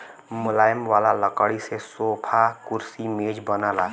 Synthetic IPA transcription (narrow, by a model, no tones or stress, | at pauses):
mʊlaːjəmʋaːlaləkəɽisesoːpʰakʊɾsimeːd͡ʒbənalaː